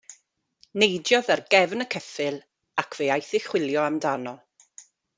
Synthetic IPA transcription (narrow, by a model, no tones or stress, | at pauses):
nejdjɔðarɡɛvnəkʰɛfɪlˠ | akʰv̥eajθɪxw̥ɪlˠjɔamdanɔ